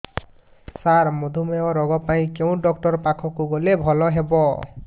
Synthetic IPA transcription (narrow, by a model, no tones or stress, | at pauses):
saɹmod̪ʱumeɔɾɔɡɔpaĩkeʊ̃ɖɔk̚ʈɔɹpakʰɔkuɡolebʱɔlɔɦebɔ